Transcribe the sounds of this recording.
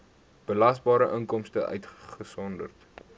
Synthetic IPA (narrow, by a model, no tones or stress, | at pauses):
b̥əlɐsbɑːɾəʔəŋkɔmstəʔœ̰ɥtχəsɔndə̰rt